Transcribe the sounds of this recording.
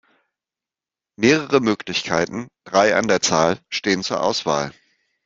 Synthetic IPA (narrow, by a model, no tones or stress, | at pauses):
meːʁəʁəmøːklɪçkʰaɪtn̩d̥ʁaɪʔa̰ndeːɐt͡saːlʃteːənt͡suːɐʔaʊsv̥a̰ːl